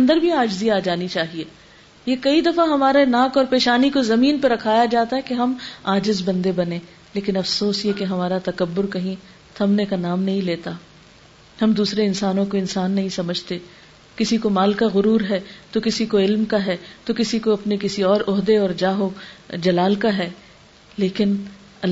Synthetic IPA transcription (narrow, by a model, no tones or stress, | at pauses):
ɐ̃nd̪əɾbʱiaːd͡ʒziaːd͡ʒaːnit͡ʃaːɦieː | jekɐid̪ɐfaɦɐmaːɾenaːkɔːɾpeːʃaːnikozɐmiːnpɐɾɐkʰaːjad͡ʒaːt̪aɦɛkeɦɐmaːd͡ʒɪzbɐ̃nd̪ebɐnẽː | leːkɪnɐfsoːsjɛkeɦɐmaːɾat̪ɐkɐbːʊɾkɐɦĩ | t̪ʰɐmnekanaːmnɐɦĩleːt̪a | hɐmd̪uːsɾeɪnsaːnõkoɪnsaːnːɐɦĩsɐməd͡ʒʱt̪eː | kɪsikomaːlkaɣʊɾuːɾɦɛt̪okɪsikoɪlmkaɦɛːt̪okɪsikoɐpnekɪsiɔːɾʊɦd̪eɔːɾd͡ʒaːɦod͡ʒɐlaːlkaɦɛː | leːkɪn | ɐ